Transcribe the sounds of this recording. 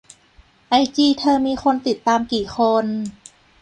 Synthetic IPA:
ʔa˧jt͡ɕiː˧˩t̪ʰɤː˧miː˧xʰo˧nt̪i˨˩t̪ːaː˧mkiː˨˩xʰo˧n

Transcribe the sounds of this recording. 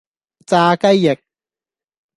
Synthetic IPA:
t͡saː˧kɐ˥jːɪ˨˩k̚

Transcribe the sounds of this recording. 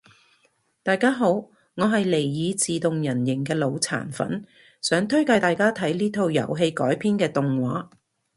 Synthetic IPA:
t̪aː˨˧jkaː˥ɦo˨˥w | ŋɔː˨˧ɦɐ˨jle˨˩jjiː˨˧t͡siː˨t̪ʊ˨ŋjɐ˨˩njɪ˨˩ŋkɛː˧lo˨˧wt͡sʰa̰ː˨˩nfɐ̰˨˥n | sœː˨˥ŋt̪ʰɵ˥ɥka˧jt̪aː˨˩jkaː˥t̪ʰɐ˨˥jliː˥t̪ʰo˧wjɐ̰˨˩wɦe˧jkɔ̰ː˨˥jpʰiː˥nkɛː˧t̪ʊ˨ŋwaː˨˥

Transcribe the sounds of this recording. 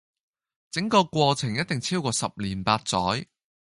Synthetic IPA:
t͡sɪ˨˥ŋkɔː˧kʷɔː˧t͡sʰɪ˨˩ŋjɐ˥t̚t̪ɪ˨ŋt͡sʰiː˥wkɔː˧sɐ˨p̚liː˨˩npaː˧t̚t͡sɔː˨˥j

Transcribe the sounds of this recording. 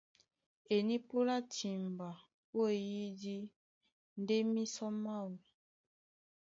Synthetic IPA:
e˨ni˦po˦la˦tʰi˨mba˨ | o˦e˨ji˦di˦ | n˦de˦mi˦sɔ˦ma˦˨wu˨

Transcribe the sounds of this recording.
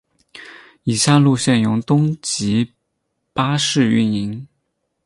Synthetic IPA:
i˨˩ɕja˥˧lu˥˧ɕjɛ˥˩njʊ˧˥ŋt̪ʊ˥ŋt͡ɕi˧˥ | pa˥ʂɻ̩˥˧y̰˥˩ni˧˥ŋ

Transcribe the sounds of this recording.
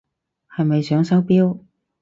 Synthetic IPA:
hɐ˨jmɐ˨jsœː˨˥ŋsɐ˨˥wpiː˥w

